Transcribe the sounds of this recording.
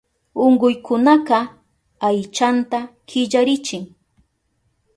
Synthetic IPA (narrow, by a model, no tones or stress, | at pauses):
ʊŋɢʊjkʰʊnaqɑ | ajt͡ʃant̪akɪʎaɾɪt͡ʃɪŋ